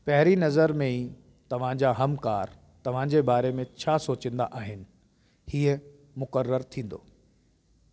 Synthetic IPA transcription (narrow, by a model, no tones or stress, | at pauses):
pɐɦɪɾinɐzəɾmẽiː | t̪ɐʋ̤ãd͡ʑaːɦɐmkaːɾ | t̪ɐʋ̤ãd͡ʑebaːɾemẽt͡ɕʰaːsoːt͡ɕə̃n̆d̪a̰ʔaːɦɪnɪ̆ | hiːə | mʊkəɾːəɾt̪ʰĩːn̆d̪o̰ː